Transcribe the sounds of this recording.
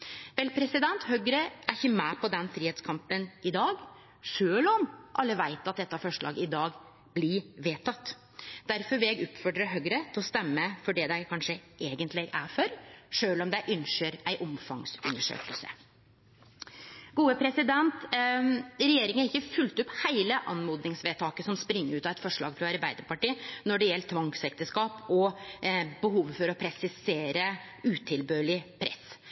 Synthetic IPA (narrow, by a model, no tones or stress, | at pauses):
ʋɛlpʰɾɛsɪd̪ɛnt̪hœɡɾəʔæɾɪçəmæːpʰɔd̪ɛnfɾiːheːt̪skʰɑmpənʔɪd̪ɑːɡ | ʂøːlɔmʔɑlːəʋæɪt̪ɑt̪̚d̪ɛt̪ːɑfɔʂɭɑ̰ːɡɪd̪ɑːɡ | blɪʋeːt̪ʰɑt̪ː | d̪̥æɾfɔɾʋɪlɛɡʉp̪fɔɖɾəɦœɡɾət̪ʰɪlɔst̪ɛmːəfɔɖɛd̪æɪkʰɑnʂəʔeːɡənt̪lɪʔæɾfœɾʂøːlɔmd̪æɪʔʉnʂəɾæɪʔɔmfɑŋsʉ̰nːəʂø̰ːkəlsə̰ | ɡ̥uːəpʰɾɛsɪd̪ɛnt̪ | ɾɛjeːɾɪŋəɾɪkːəfʉlt̪ʊphæɪləʔɑnmuːd̪nɪŋsʋeːt̪ʰɑːkəsɔmspɾɪŋːəʉːt̪ɑɛt̪fɔʂɭɑ̰ːɡfɾɑɑɾbæɪd̪əɾpɑʈiːnɔɖɛjɛlt̪ʰːʋɑŋksɛk̚t̪əʂkɑːpɔ | bəɦuːʋfɔɾɔpʰɾɛsɪseːɾə | ʉːt̪ʰɪlbøːlɪpʰɾɛ̰s